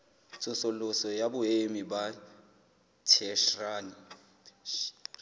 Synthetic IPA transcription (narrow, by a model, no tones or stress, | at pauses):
t͡sʼʊsʊlʊsɔjabʊemiba | tʰɛʃraːni